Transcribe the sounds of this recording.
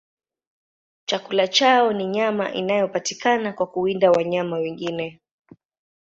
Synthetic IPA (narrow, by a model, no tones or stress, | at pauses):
t͡ʃakulat͡ʃaɔniɲama̰ʔḭnajɔpatikanakwakuindawaɲamawɛŋɡinɛ